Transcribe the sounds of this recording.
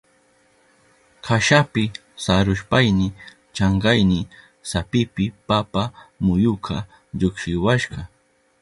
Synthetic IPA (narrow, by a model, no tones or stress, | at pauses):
kʰaʃapɪ | saɾʊʃpajnɪ | t͡ʃɑɴɢɑjnɪ | sapɪpɪpapamʊjʊkʰa | ʎokʃɪwaʃɢɑ